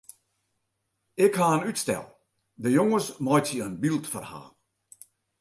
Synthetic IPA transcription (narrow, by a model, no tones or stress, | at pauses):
ɪkʰhanytstɛ̰lˠ | ðəjɔŋəzmaɪtiənbilˠtfə̰ɾha̰ː